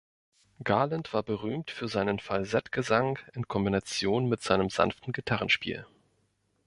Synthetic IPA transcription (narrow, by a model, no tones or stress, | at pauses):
ɡ̥aɐlantv̥aːɐbəʁ̞yːmtfyːɐzaɪnənfalzɛtɡ̥əzaŋɪnkʰɔmbinat͡sjoːnmɪtz̥aɪnəmza̰nftn̩ɡitʰaʁ̞ən̩ʃpḭːl